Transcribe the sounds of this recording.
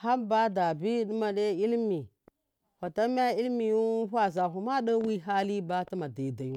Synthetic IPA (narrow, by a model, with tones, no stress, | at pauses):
ha˦mba˦da˨bi˦di˦ma˨de˦i˦lmi˨ | xa˨ta˦m˦a˦i˦lmi˨ju˦ɸʷa˦za˨ɦu˨ma˦ɗa˦wi˦ɦa˦li˦ba˦ta˦ma˨da˨da˨ju˦